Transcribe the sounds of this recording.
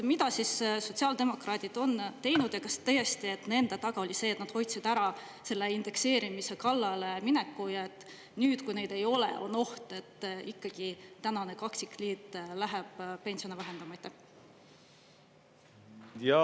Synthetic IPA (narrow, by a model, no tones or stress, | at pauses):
mid̪ɑsisso̞t̪siɑːld̪e̞mo̞krɑːd̪̥id̪̥o̞nt̪e̞jnud̪jɑkɑst̪øje̞st̪ie̞t̪ne̞nd̪̥et̪ɑɡ̥ɑo̞lʲiseːt̪nɑd̪̥ho̞jt̪sid̪̥æɾɑ | se̞lːeind̪̥e̞kse̞ːɾimise̞kɑlːɑleminekːujɑe̞t̪ː | nyːd̪kujne̞jd̪e̞jo̞le̞̰o̞̰no̞ht̪e̞t̪ːikːɑɡ̥it̪ænɑne̞kɑksikliːt̪ːˑlæɦeb̥pe̞nsio̞nvæɦe̞nd̪̥ɑmɑjt̪ːe | j